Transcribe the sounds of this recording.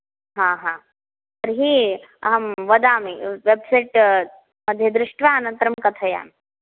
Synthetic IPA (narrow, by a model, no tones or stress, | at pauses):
ɦãːɦãː | t̪ɐɾɦi | ɐ̰ɦɐmʋɐd̪aːmiʋebsɐjʈ | mɐd̪ʱjɐd̪ɾɪʂʈʰʋaːnɐnt̪ɾɐmkɐt̪ʰɐja̰ːmi